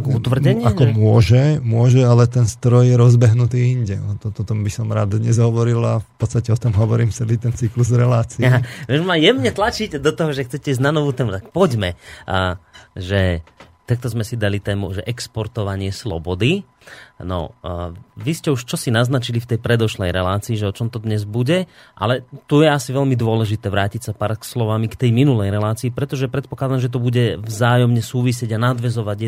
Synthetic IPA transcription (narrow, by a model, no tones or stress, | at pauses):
kut̪ʋr̩ɟɛɲɪakɔmʊɔʒɛmʊɔʒɛalɛt̪ɛnst̪ɾɔjjɛɾɔzbɛɦnut̪iːiɲɟɛat̪ɔt̪ɔt̪ɔmbisɔmɾaːd̪ɲɛzɦɔʋɔɾilafpɔt̪st̪acɛɔt̪ɔmɦɔʋɔɾiːmft͡sɛlit̪ɛnt͡sikluzɾɛlaːt͡siɛaʋɛʒmajɛmɲɛt̪lat͡ʃicd̪ɔt̪ɔɦɔʒɛxt͡sɛcɛiz̬nanɔʋuːt̪ɛːmut̪ak̚pɔɟmɛ | ʒɛt̪ak̚t̪ɔzmɛsid̪alit̪ɛːmuʒɛʔɛkspɔɾt̪ɔʋaɲɪɛslɔ̰bɔd̪i | nɔ̰ | ʋiscɛuʃt͡ʃɔsinaznat͡ʃilift̪ɛjpɾɛd̪ɔʃlɛjɾɛlaːt͡siːʒɛɔt͡ʃɔmt̪ɔd̪ɲɛzbuɟɛ | ʔa̰lɛt̪ujɛasiʋɛʎmid̪ʊɔlɛʒit̪ɛːʋɾaːcicsapaːɾkslɔʋamikt̪ɛjminulɛjɾɛlaːt͡siːpɾɛt̪ɔʒɛpɾɛt̪̚pɔklad̪amʒɛt̪̬ɔbuɟɛvzaːjɔmɲɛsuːʋisɪɛɟanad̪ʋɛzɔʋaɟɛ